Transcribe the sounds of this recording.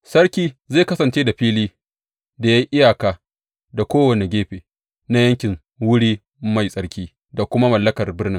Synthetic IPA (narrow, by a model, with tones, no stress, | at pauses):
sɐ˦ɽkʲiː˦zeː˦˨kɐ˦sɐ˨nt͡ʃeː˦da˨ɸiː˦liː˦ | da˨ja˦jʔɪ˦jaː˨kaː˦ | da˨kʷoː˦wɐ˨ne˨ɡʲeː˦ɸeː˨ | na˦jɐ˦ŋkʲɪ˨ŋ | wʊ˦ɽiː˦ | ma˨jsʼɐ˦ɽkʲiː˦ | da˨kʷʊ˦ma˦mɐ˨lːɐ˦kɐ˨rbɪ˦rnɪ˦ŋ